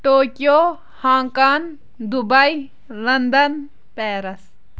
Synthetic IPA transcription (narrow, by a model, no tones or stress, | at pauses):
ʈoːkijoː | hãːŋkan | d̪ubɐj | lɐnd̪ɐn | peːɾɐs